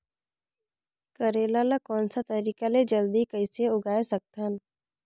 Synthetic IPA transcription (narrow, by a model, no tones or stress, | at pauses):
kəɾeːlalakɔːnsat̪əɾiːkaled͡ʒəld̪ikəɪseʊɡaːesək̚t̪an